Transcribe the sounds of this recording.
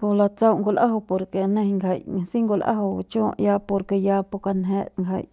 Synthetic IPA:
po˧la˧t͡sa˦wʔŋɡo˧lʔa˦ɦo˧po˧ɾke˨nẽ˦˧ŋɡʰə˨jsi˦ŋɡo˧lʔa̰˦ɦo˨t͡ʃu˦a̰˧ʔja˧po˧ɾke˧ja˧po˧ka˧nɦe˧ŋɡə̰˨j

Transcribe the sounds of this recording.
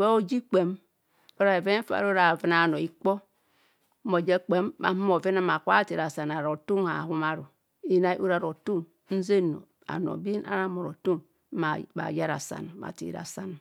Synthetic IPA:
we˦o˦d͡ʒi˦k͡pe˨m | o˦ɾa˨e˨ve˦m˦fa̰˨˦ɾo˦ɾa˨vi˨˦na˨no˨i˦k͡po˦ | mo˨d͡ʒe˦k͡pe˦mba̰˨˦m˦mo˨ve˦na˦ma˨kʷa˦˨te˨ɾa˨sa˨na˨ɾo˨tu˦ŋa̰˨hu˦ma˦ɾu˨ | i˦na˨˦ʔu˦ɾa˨ɾo˨tu˦m | n̩˦ze˦no̰˨ | a̰˨no̰˨bi˦na̰˦ɾa˦mo˨ɾo˨tu˦ŋ˦ | ma˨ba̰˨ja˦ɾa̰˨sa̰˨n˨ma̰˨tḭ˨ɾa̰˨sa˦n˨

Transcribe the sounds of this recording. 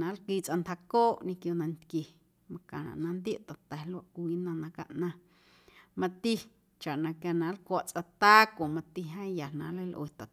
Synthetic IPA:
nã˨˦lkiː˧t͡sʔa˧nt̪ha˧koː˦ʔɲĩ˧kjo˧nã˧nt̪kje˨ | mã˧kã̰˨nã̰˨ʔnã˧nd̪je˦ʔt̪a˨t̪ɛ˨lwa˧ʔkʷiː˦nã˧nã˧ka̰˧ʔnã˧ | mã˧t̪i˦ | t͡ʃa˨ʔnã˧kja˧nã˨˦lkʷa˧˨ʔt͡sʼa˧t̪aː˦kʷo˨mã˧t̪i˧ɦã˦ja˨nã̰˨lə˦lʔwe˨t̪a˨

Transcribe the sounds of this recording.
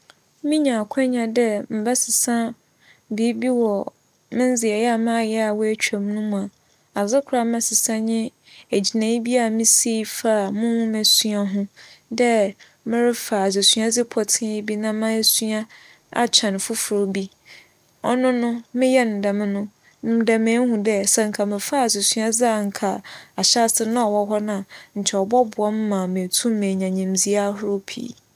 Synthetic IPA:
mɪ̃˦ɲã˨kʷʰɛ˦ɲã˨dɛ˦m̩˨bɛ˦sɪ˨sã˦ | biː˨˦bi˦wɔ˨ | mɪ̃˦n˦d͡zɪ˨ɛ˨jɛ˦a˦˨mã˦a˦˨jɛ˦a˨wɔ˦æ˦t͡ɕᶣa˨mnʊ̃˦m̃˨a˨ | a˨zɪ˦kʰɾa˦˨m˦mɛ̃˨sɪ˨sã˦ɲɪ̃˦ | æ˨d͡ʑi˨nã˨i˦bi˦a˦˨mɪ̃˦se˦˨˦fa˦˨mʊ̃˦wʊ̃˦mæ˨su˦a˦ɦʊ̃˦dɛ˦ | mɪ̃˦ɾɪ˦fa˨a˨s̬e˨su˦a˦d͡zɪ˦pʰɔ˨tʰɪ̃˦jɪ˦bi˦nã˦mã˦ɛ˦su˦a˦ | a̰˨t͡ɕʰã˨n˨fʊ˦fʊ˨ɾo˨bi˦ | ɔ̰˦nʊ̃˦nʊ̃˦mɪ̃˦jɛ˦n̩˨da˨mɪ̃˦nʊ̃˦˨˦ | da˨mɪ̃˨˦ɦʊ̃˨dɛ˦˨sɛ˨ŋ̩˨kʰa˨mɪ̃˨fa˦˨s̬e˨su˦a˦d͡zɪ˦a˨ŋ̩˨kʰa˨a˨ɕa˦sɪ˦nã˦ɔ˨wɔ˦ɦɔ˦nã˨ɲ̩˨t͡ɕʰɛ˨ɔ˨bɔ˦bʊ˨ɔ˦m˦mã˨mẽ˨tʰũ˦m˦mẽ˨ɲã˨ɲĩ˨md͡zi˦a˦ɦʊ˦ɾʊ˦pʰḭː˦

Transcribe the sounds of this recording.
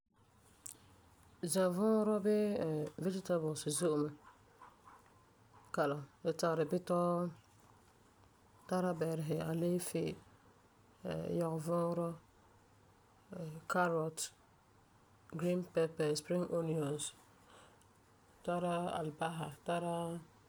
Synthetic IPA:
zã˨vɔ̃˦ɾɔ˦bɪ˦˨vɛ˦d͡ʒɪ˦ta˦bɔ˨lsɪ˨zʊ˦ʔʊ˨mɛ˨ | ka˨la˨dɛ˨ta˨ɡɾɪ˨bɪ˦tɔ˦ | ta˦ɾa˦bɛ˨ɾɪ˨ɦɪ˨a˨leː˦fɪ˦˨ | jɔ˨ɣvɔ̃ː˦ɾɔ˦˨ | ka˦ɾɔ˨t | ɡɾi˦npɛ˦pɛ˨spɾɪ̃˦ŋʔo˦ni˨ɔ˨ns | ta˦ɾa˦a̰˨lba˦ɦa˨ta˦ɾa˦

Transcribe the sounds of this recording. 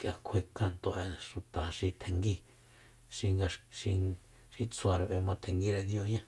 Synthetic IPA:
kjʔa˧kʷʰe˧ka˧nt̪o˧˨ʔẽ˧˨ʃu˨t̪a˨ʃi˧t̪ʰe˧ŋɡi˧ | ʃi˧ŋɡa˧ʃi˧ | ʃi˧t͡sʰwa˧ɾa˧βe˧mã˧t̪ʰe˧ŋɡi˦˧ɾe˧d̪jo˧ɲã˦˧

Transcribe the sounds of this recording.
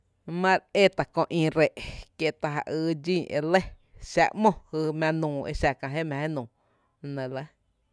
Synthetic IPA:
mã˦ɾe˦t̪a˨kõ˧ʔĩː˧ɾe˨ʔkje˦˧t̪a˧ɦa̰˧˨ʔɨː˧d͡ʒĩː˦˨ʔḛ˧le˦ | ʃa̰˧ʔmɔ̃˦hɨ˧mʲã˧nũː˨ḛ˧ʃa˧kã˧ɦe˦mã˧e˦nũː˨ | nẽ˨lə˦

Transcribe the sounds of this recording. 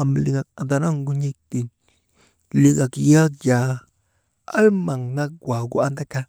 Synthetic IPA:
a˨mli˨ŋa˨a˨nd̪a˧na˦˨ŋɡu˦ɲi˦k̚t̪i˨n | li˧ɡa˨kja˦kja˨ | a˦lma˨ŋna˦k̚ɡwa˨ɡṵ˦a˦nd̪a˦ka˦

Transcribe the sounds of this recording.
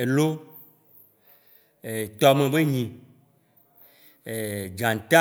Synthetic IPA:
e˨lo˦ | e˨t̪ɔ˨mẽ˨be˦ɲĩ˨ | e˨d͡ʒã˨n˨t̪a˦

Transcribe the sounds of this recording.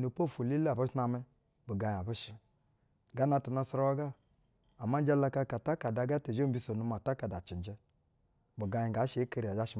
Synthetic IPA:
nu˨po˦˨fu˨li˦la˨bu˦na˧mɛ˦ | bu˨ɡa˨ja˨bu˦ʃi˦ | ɡa˦na˧ti˨na˧sɾa˦wa˦ɡa˦ | a˨ma˦n˦d͡ʒa˦la˧ka˧ka˨ta˦ka˨da˨˦ɡa˦te˨o˦m˦bi˦so˨nu˧˦ma˨ta˦ka˨da˨t͡ʃi˨n˨d͡ʒɛ˦ | bu˨ɡa˨˦ɲi˨ɡa˨˦ʃe˨˦ke˦ɾi˨a˨d͡ʒa˦ʃi˦

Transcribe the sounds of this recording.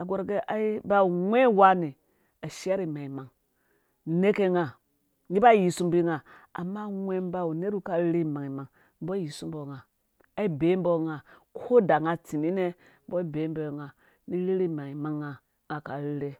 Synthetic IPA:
a˨ɡʷo˦ɾɡe˦ʔa˨˦i˦ba˦˨ŋʷe˦wa˦ni˨ | a˨ʃa˦ɾi˨ma˨i˨ma˨ŋ | ne˦ke˦ŋa˨ | ni˦ba˦˨ji˨su˦mbi˦ŋa˨a̰˨mːa˦ŋʷe˦m˦ba˦u˨ne˦ɾu˦ka˦ɾɾe˦˨ma˨ŋi˨ma˨ŋ | m̩˦bo˦ji˨su˦m˦bo˨ŋa˨ | a˨˦i˦be˨˦mbo˦ŋa˨kʰo˦da˨ŋa˦ti˨ni˦ne˦ | bo˦i˦be˨˦mbo˦˨ŋa˨ | ni˦ɾi˦ɾi˦˨ma˨ŋi˨ma˦ŋːa˨ | ŋa˨ka˨ɾi˦ɾe˦

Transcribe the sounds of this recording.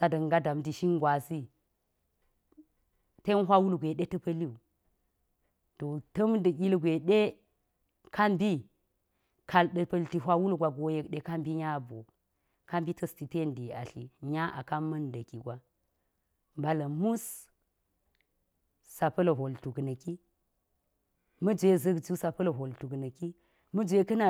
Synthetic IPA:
sa˨dɐ˨ŋɡa˦da˨mti˨ʃi˦ŋɡwa˨si˦ | te˦nɦʷa˦wu˦lɡʷe˨ɗe˦tɐ˦pə˦li˦u˨ | to˨tə˦m˦də˨kʲi˦lɡʷe˨ɗe˦ | kʰa˦mbi˦ | kʰa˨lɗə˨pɐ˨lti˨ɦʷa˦wu˦lɡʷa˨ɡo˨je˨kɗe˨ka˦mbi˦ɲa˦bo̰˨ | ka˦mbi˦tə˦sti˨te˦˨ndi˨a̰˨ɬi˨ɲa˦ʔa̰˨ka˦mːɐ˦ndə˨ki˨ɡʷa˨ | mba˨la˨mu˦s | sa˨pɐ˦lə˨ɦo˨ltu˨knə˨ki˦ | mə˦d͡ʒʷe˦zɐ˦kd͡ʒi˦sa˨pə˦lə˨ɦo˨ltu˨knə˨ki˦ | mə˦d͡ʒʷe˦kə˦na˨

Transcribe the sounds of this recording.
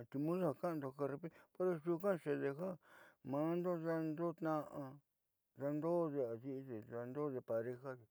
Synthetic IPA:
t̪i˧mũ˦sa˦a˨ka˦˧nd̪o˧ka˦˧ɾe˧pe˦po˦ɾa˦˧ʃu˧kã˦˧ʂe˧ðe˧ɦa˦mã˨˦nd̪o˦ða˧nd̪o˦t̪nã˦˧ʔa˧ | ða˧nd̪o˦ðe˧a˨ði˦ʔðe˨ða˧nd̪o˦ðe˧pa˨ɾe˧xa˦ðe˨

